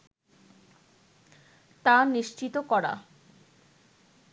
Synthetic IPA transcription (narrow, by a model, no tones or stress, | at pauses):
t̪aniʃt͡ɕit̪okɔɽa̰